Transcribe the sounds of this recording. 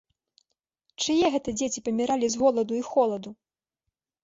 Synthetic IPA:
t͡ʂɨjɛɣɛt̪ɐd͡zʲet͡sʲipɐmʲiɾalʲizɣɔlˠɐd̪uixɔlˠɐd̪u

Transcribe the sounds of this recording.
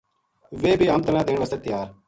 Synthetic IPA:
ʋeːbʱiːɐmt̪ənaːd̪eːɳʋəset̪ːɪjaːɾ

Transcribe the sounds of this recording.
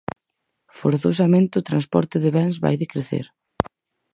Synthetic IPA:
fo̰ɾθos̬ɐmẽnt̪ɪʊt̪ɾanspɔ̰ɾt̪ɪðɪβɛnzβa̰jðɪkɾeθḛɾ

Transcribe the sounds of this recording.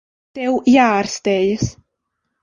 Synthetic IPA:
t̪ɛwjaɾst̪ejs

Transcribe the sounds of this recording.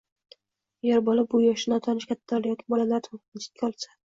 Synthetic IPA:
jeɾbɒlɪp̚bʊjɒʃɪnat̪ʰɒnt͡ʃkʲʰat̪ʰːaljɒkʲʰɪbɒlalaɾt̪ʰʊt͡ʃʰɪ̥t̪̚kʲʰaɒlˠsḁ

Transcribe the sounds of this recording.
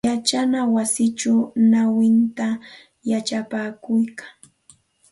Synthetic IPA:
jat͡ʃanawasɪt͡ʃanawɪnt̪a | jat͡ʃapaːkʊjkḁŋ

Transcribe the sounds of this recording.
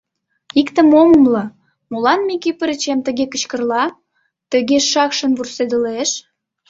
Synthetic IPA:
ikt̪ə̆moməmlɤ̆ | molɑnmikipəɾət͡ɕemt̪ə̆ɣekə̆t͡ɕkə̆rlɑ | t̪ə̆ɣeʃːɑkʃə̆nβursed̪ə̆leʃ

